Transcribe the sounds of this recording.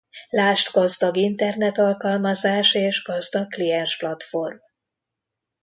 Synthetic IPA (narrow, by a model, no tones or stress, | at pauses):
laːʃt̪ɡɒzd̪ɒɡint̪ɛrnɛt̪ɒlkɒlmɒzaːʃeːʒɡɒzd̪ɒkklijɛnʃplɒt̪fo̞rm